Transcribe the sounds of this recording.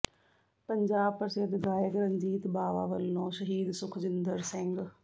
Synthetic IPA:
pɐ̃ɲd͡ʑaːbpɐɾsed̪ɡaːjɪkɾɐ̃ɲd͡ʑiːt̪baːʋa̰ːʋəlnɔːʃɐɦiːd̪sʊkʰd͡ʑɪnd̪əɾsɛ̃ŋɡ

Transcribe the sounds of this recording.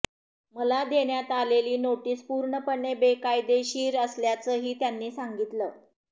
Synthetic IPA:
məlad̪eɳjat̪aleliːnoʈiːspuːɾɳəpəɳːebekajd̪eɕiːɾəsljat͡səːɦiːt̪janːiːsaŋɡit̪ləː

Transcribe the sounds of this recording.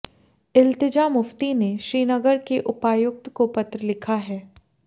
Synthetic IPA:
ɪlt̪ɪd͡ʒaːmʊft̪ineʃɾiːnəɡəɾkeʔʊpaːjʊk̚t̪kopɐt̪ɾəlɪkʰaɦɛː

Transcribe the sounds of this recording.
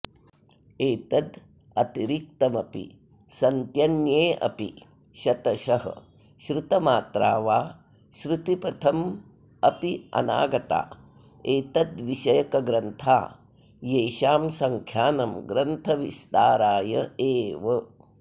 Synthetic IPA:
eːt̪ɐd̪ | ɐt̪iɾik̚t̪ɐmɐpḭ | sɐnt̪jɐnjeːʔɐ̰pḭ | ʃɐt̪ɐʃɐɦɐ̰ | ʃɾut̪ɐmaːt̪ɾaːʋaː | ʃɾut̪ipɐt̪ʰɐm | ɐpiɐ̰na̰ːɡɐt̪a̰ː | eːt̪ɐd̪ʋiʃɐjɐkɐɡɾɐnt̪ʰaː | jeːʃaːmsɐŋkʰjaːnɐmɡɾɐnt̪ʰɐʋist̪aːɾaːjɐeːʋɐ

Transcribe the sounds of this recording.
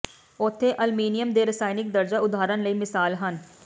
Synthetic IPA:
oːt̪ʰːeːʔəlmiːnɪjəmd̪eːɾəsaːɪnɪk̚d̪əɾd͡ʒaːʊd̪aːɾənləiːmɪsaːlɦən

